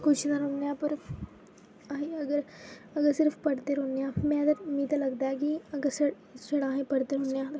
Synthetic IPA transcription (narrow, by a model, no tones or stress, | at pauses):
kʊt͡ʃʰnaɾõːnːejãːpəɾ | aiəɡəɾ | əɡəɾsɪɾpʰpəɾt̪eːɾõːnejãːmɛ̃ːd̪əɾʊmiːd̪aləɡd̪aːɦɛːk̬iəɡəɾsə | səɽãːɦẽːpəɾt̪eːɾɦõːnːejãːd̪